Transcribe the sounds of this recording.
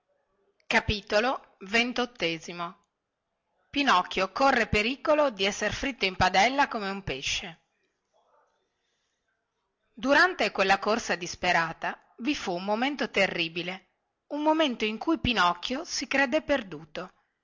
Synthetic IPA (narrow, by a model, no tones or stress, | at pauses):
kapiːt̪olo | vent̪ot̪ːeːzimo | pinɔkːjokorːepeɾiːkolod̪iɛsːeɾfɾit̪ːoimpad̪ɛlːakomeumpeʃːe | d̪uɾant̪ekwelːakorsad̪ispeɾaːt̪a | vifuːmmoment̪ot̪erːiːbile | umːoment̪oiŋkujpinɔkːjosikɾed̪epːerd̪uːt̪o